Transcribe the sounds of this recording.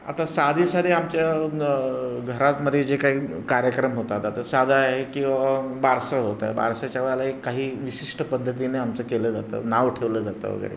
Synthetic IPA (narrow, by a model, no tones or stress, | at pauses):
a̰t̪asad̪ʱisad̪ʱeamt͡ɕja | ɡʱəɾat̪məd̪ʱːed͡zekaɦiːkaɾjəkɾəmɦot̪at̪at̪əsad̪ʱaɦekĩw̃ʋabaɾsəɦot̪a̰eba̰ɾsat͡ɕjaʋəɭalaekːaɦiːʋiɕiʂʈəpəd̪ʱːət̪̬ineamt͡səkeləːd͡zat̪ə̰naʋʈʰeʋləd͡zat̪ə̰ʋ̤ə̰ɡə̰ɾḛ